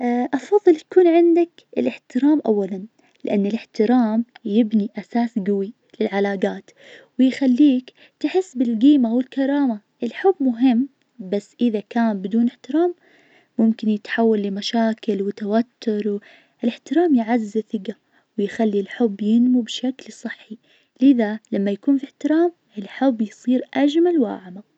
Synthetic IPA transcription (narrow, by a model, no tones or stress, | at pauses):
ʔʔɑfɑðˤːɨljakuːnʕɪnd̪ak | ɪ̰lɪħt̪ɪɾaːmʔawːalan | lɪʔanːɪlɪħt̪ɪɾaːmjɪbniʔasaːsɡawi | lɪlʕalaːɡaːt̪ | wɪjxalːiːk | t̪ɪħɪsːbɪlɡiːmawɪlkɑɾˤɑːma | ʔɪlħʊbːmʊɦɪmː | basːʔɪðakaːnbɪd̪uːnɪħt̪ɪɾaːmː | ʊmkɪnjɪt̪ħawːalːɪmaʃaːkɪlwɪt̪awat̪ːʊɾˤw | ʔɪlɪħt̪ɪɾaːmjʕazːɪθɪɡa | wɪjxalːilħʊbːjɪnmubʃaklsˤɨħːi | lɪðalamːajakuːnfiħt̪ɪɾaːm | ɪlħʊbːjsˤiːɾʔad͡ʒmalwa̰ːʕma